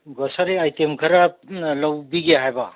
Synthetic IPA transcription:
ɡɔsaɾeajtemkʰɐɾalawbiɡeɦajba

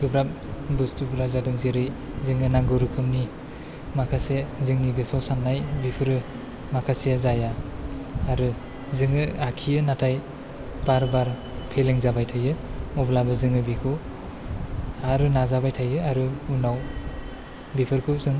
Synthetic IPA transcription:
ɡɯbɾap̚ | bustubɾazadɯŋzeɾɯj | zɯŋɯnaŋɡɯɾɯkʰɯmni | makʰasezɯŋniɡɯsɔwsanːajbipʰɯɾɯ | makʰasijazaja | aɾɯ | zɯŋɯakʰijɯnatʰaj | b̥aɾbaɾ | pʰeleŋzabajtʰajɯɔblabɯzɯŋɯbikʰu | aɾɯnazabajtʰajɯaɾɯunaw | bipʰɯɾkʰuzɯŋ

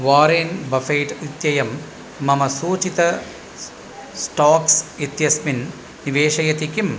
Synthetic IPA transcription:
ʋaːɾeːnbɐfɐjʈit̪jɐjɐmː | ɐmɐsuːt͡ʃit̪ɐ | sʈaːksit̪jɐsminː | iʋeːʂɐjɐt̪ikim

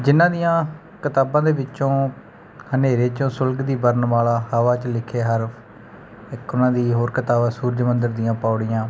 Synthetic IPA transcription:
d͡ʒɪnãːd̪ɪjãː | kət̪aːbãːd̪eːʋɪt͡ʃõː | həneːɾeːt͡ʃõːsʊlɡd̪iːbəɾnʋaːlaːɦəʋaːt͡ʃlɪkʰeːɦəɾpʰ | ɪkːʊnãːd̪iːɦoːɾkət̪aːbaːsuːɾd͡ʒmənd̪əɾd̪ɪjãːpaːɽɪjãː

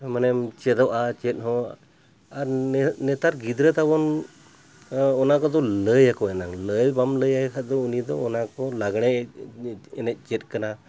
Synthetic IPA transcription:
manɛmt͡ʃɛd̪ɔwʔat͡ʃɛt̪̚ˀɦɔ̃ | aɾnɛt̪aɾɡid̪ɾət̪abɔn | ɔnakɔd̪ɔləjakɔɛnaŋləjbamləjakʰad̪ɔunid̪ɔːnakɔlaɡɳɛ | ɛnɛˀt͡ʃɛt̪̚ˀkana

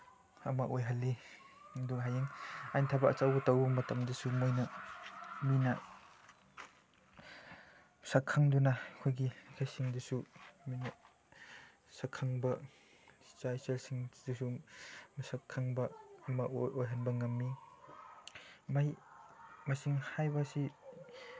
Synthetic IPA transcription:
ɐmɐʔojɦɐlːi | ŋduŋɦajeŋajntʰabɐʔːt͡ʃawbɐtawbɐmɐtɐmdɐsumojnɐ | minɐ | msakʰaŋdunɐkʰojɡikʰajsiŋdɐsuminɐ | sakʰaŋbɐ | t͡ʃajselsiŋdusumɐsakʰːaŋbɐmɐojɦɐnbɐŋɐmːi | maj | mɐsiŋhajbasi

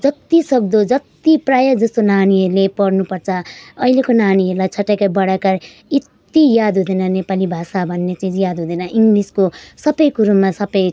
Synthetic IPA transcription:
d͡zʌt̪isʌk̚d̪od͡zʌt̪iprajʌd͡zʌst̪onaniɦʌɾlepʌrnupʌrt͡sʰʌʌilekonaniɦʌɾlajt͡sʰʌʈːakabʌɽakar | it̪ijad̪ɦud̪ʌnʌnepalibʱasabʱʌnːet͡sid͡zjad̪ʱɦud̪ʌnʌʔiŋɡliskosʌpʌjkuɾumasʌpʌj

